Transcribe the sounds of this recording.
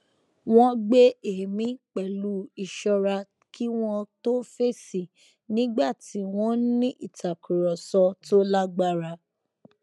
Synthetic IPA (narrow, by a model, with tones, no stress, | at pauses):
w̃ɔ̃˧ɡ͡be˦e˨mĩ˦k͡pɛ˨lu˨˦i˨ʃɔ˧ɾa˧ | kʰi˦w̃ɔ̃˧to˦fe˦si˦˨ | nĩ˨˦ɡ͡ba˦˨ti˨˦w̃ɔ̃˦nĩ˦ʔi˦˨tʰa˨kʰu˨ɾɔ˨sɔ˧to˦la˦ɡ͡ba˦ɾa˧